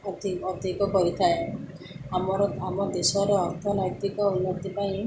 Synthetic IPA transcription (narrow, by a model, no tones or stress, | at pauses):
ɔd̪iɔd̪ʱikɔkɔɾit̪ʰae | amɔɾɔamɔd̪esɔɾɔɔɾt̪ʰɔnɔjt̪ikɔunːɔt̪ipaĩ